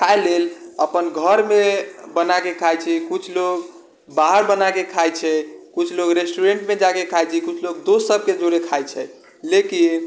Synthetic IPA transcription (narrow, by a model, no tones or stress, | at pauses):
kʰaeleləpənɡʱəɾmebənakekʰajt͡ʃʰikut͡ʃʰloɡ | baɦəɾbənakekʰajt͡ʃʰɛkut͡ʃʰloɡɾesʈuɾeɳʈmed͡ʒakekʰajt͡ʃʰikut͡ʃʰloɡd̪osəb̚ʱked͡ʒoɾekʰajt͡ʃʰɛ | lekin